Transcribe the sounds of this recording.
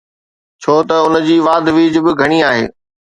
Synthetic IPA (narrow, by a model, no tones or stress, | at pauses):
t͡ɕʰoːt̪ɐʊnd͡ʑiːʋaːd̪ʱʋiːd͡ʑbɪɡʱɐɽ̃iaːɦḛː